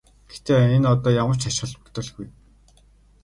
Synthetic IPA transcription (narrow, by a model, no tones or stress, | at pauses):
ɡ̥ext̪eːenɔt̪ɔːjamə̆r̥t͡ɕaʃ̆ə̆ɮpʊkt̪ə̆ɮxuj